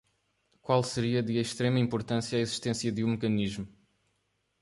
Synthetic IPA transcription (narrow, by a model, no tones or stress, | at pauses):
kwalˠsɨɾiɐðɨeʃt̪ɾemɐĩmpuɾt̪ɐ̃sjɐaiziʃt̪ẽsjɐðũmɨkɐniʒmu